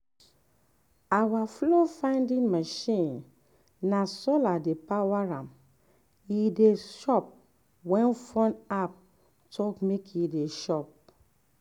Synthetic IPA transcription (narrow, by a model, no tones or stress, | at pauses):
awaflofãɪ̃ndĩnmaʃĩn | nasɔladepawaɹãm | ideʃɔp̚ | wɛ̃nfɔ̃nap̚ | tʰɔkmekideʃɔp̚